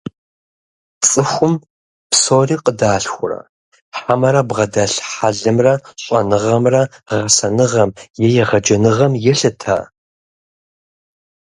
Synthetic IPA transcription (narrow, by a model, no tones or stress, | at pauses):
t͡sʼɨxʷʊm | psoːriːqədaːɬxʷʊrɐ̰ | ħamɐɾɐbʁɐdɐɬħaɮɨmrɐɕʼɐ̰nɨʁɐmrɐʁɐsɐnɨʁɐmjɛjɛʁɐd͡ʒɐnɨʁɐmjɛɬɨtʰa̰ː